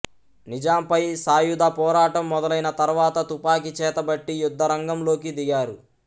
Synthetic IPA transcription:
nid͡ʒaːmpɐjsaːjud̪aːpɔːɾaːʈɐmːɔd̪ɐlɐjnɐt̪ɐɾʋaːt̪ɐt̪upaːk̬it͡ʃɛːt̪ɐbɐʈːijud̪ʱːɐɾɐŋɡɐmlo̞ːkid̪iɡaːɾu

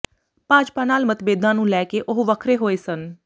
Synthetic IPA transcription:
paːd͡ʒpaːnaːlmət̪beːd̪ãːnũːlɛːkeːʔʊɦʋəkʰɾeːɦoːeːsən

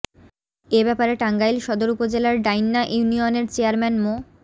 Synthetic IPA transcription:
ebɛpaɾeʈaŋɡajlʃɔd̪oɾupod͡ʑelaɾɖajnːaʔjunioneɾt͡ɕeaɾmɛnmo

